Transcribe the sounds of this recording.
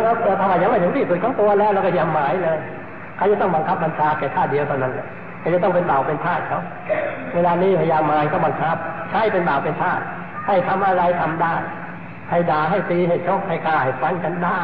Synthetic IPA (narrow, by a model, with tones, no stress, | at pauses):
ɾaː˧˥˩t̪ɯ˧˩t̪ʰaː˧waː˧˩ja˧˦ŋma˥˩t̪ʰŋt̪iː˧˩su˨˩t̪̚kʰa˥˩t̪u˧ɐlɛː˦˥wɾɛː˧˩wkɔː˥˩jaː˧mːaː˨˦jlɤː˧j | kʰaː˧˩t͡ɕa˧˩t̪ɔ˥˩ŋba˧ŋkʰa˦˥p̚ba˧nt͡ɕʰaː˧kɛː˨˩t̪ʰaː˥˩t̪̚di˧ət̪ʰa˧˩na˦˥nla˧˩ | kʰaː˧˩t͡ɕa˧˩t̪ɔ˥˩ŋpe˧nba˨˩wpe˧nt̪ʰaː˥˩t̪̚t͡ɕʰa˦˥w | weː˧laː˧niː˦˥˩pʰa˧˩jaː˧mːaː˨˦jkʰaː˧˥˩ba˧ŋkʰa˦˥p̚t͡ɕʰa˦˥˩jpe˧nbaː˨˩wpe˧nt̪ʰaː˥˩t̪̚ | ha˥˩jt̪ʰa˧mʔa˧ɾa˧jt̪ʰa˧mdaː˥˩j | ha˧˥˩jdaː˨˩˦ɦa˧˥˩jsiː˧ɦa˧˥˩j̚t͡ɕʰɔ˦˥˩k̚ha˧˩jkaː˧˩ha˧˩jfa˧˥nka˧ndaː˥˩